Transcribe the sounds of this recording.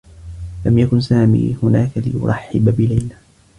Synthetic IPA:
lamjakʊnsaːmḭːhʊnaːkalɪ̰jʊ̰ɾˤɑħːɪbabɪlajla

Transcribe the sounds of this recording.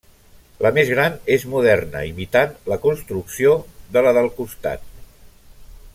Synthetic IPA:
ləmezɣɾanezmuðɛrnə̰imit̪anləkunst̪ɾuksioðələðəlˠkust̪a̰t̪̚

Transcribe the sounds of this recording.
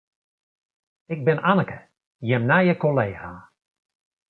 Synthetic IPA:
ɪɡ̚bɪnʔanəkə | jɪmnajəkoleːɣaː

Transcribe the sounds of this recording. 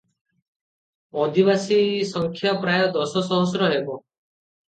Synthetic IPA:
ɔd̪ibasisɔŋkʰjapɾajɔd̪ɔsɔsɔɦɔs̬ɾɔɦebɔ

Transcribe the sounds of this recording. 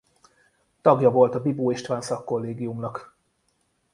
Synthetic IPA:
t̪ɒɡjɒvo̞lt̪ɒbiboːeʃt̪vaːnsɒkːo̞lːeːɡijumnɒk

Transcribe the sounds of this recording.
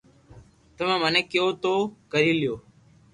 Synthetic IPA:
t̪əmẽːməneːkɪjoːt̪oːkəɾiːlɪjoː

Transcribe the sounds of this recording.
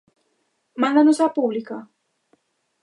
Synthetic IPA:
mãnd̪ãnosapublikɐ

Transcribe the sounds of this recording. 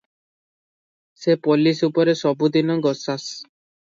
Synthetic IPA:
sepɔlisupɔɾesɔbud̪inɔɡɔsas

